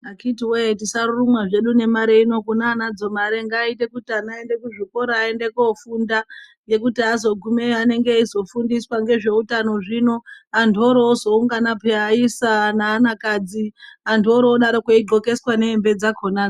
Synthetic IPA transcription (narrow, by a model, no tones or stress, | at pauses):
akitiwetisarurumwaʐe̞ɗune̞maɾe̞ino̞kunaːnad͡zo̞maɾeŋɡaːite̞kutianae̞nde̞kuʐiko̞ɾaːe̞nde̞kofunda | je̞kutiazo̞ɡʱumeane̞ŋɡeizo̞fundiswaŋɡe̞ʐe̞utano̞ʐino̞ando̞ɾoːzo̞uŋɡanapeaisanaːnakad͡ziandoɾoːɗaɾokoiɡ͡ǃo̞ke̞swane̞ːmbe̞d͡zakʰona